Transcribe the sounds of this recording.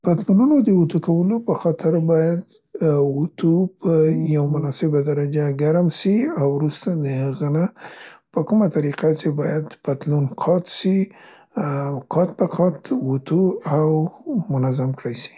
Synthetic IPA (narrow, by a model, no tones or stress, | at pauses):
pat̪lununod̪əwut̪ukawəlopəxɑt̪ɪɾbɑjad̪ | ʊt̪ʰupəjawmʊnɑsɪbad̪aɾad͡ʒaɡaɾmsiawɾust̪ad̪əhəɣanapəkumat̪aɾiqat͡ʃebɑjad̪pat̪lunqʰɑt̪ʃi | qʰɑt̪̚baqʰɑt̪wut̪ʰuawmʊnazamkɽajʃi̥